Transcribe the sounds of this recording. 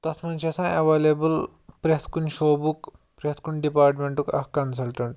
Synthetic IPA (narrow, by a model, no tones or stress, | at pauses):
t̪ɐt̪ʰmɐnt͡ʃʰɐsãɐʋeːlebul | pɾet̪ʰkunʃoːbuk | pɾet̪ʰkunɖipaːɾʈmeɳʈukɐ̰hkɐns̬ɐlʈɐɳʈ